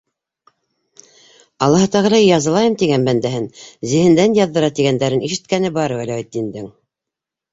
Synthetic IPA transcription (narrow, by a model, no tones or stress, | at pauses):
ɑlˠːɑɦɤt̪ɑʁɤ̆ɾɑjjɑzɤ̆lˠɑjɤmt̪iɡænbænd̪æɦɘnzɘ̆hɘ̆nd̪ænjɑðːɤ̆ɾɑt̪iɣænd̪æɾɘniʃɘ̆t̪̚kænɘbɑɾwælæit̪ːind̪ɘŋ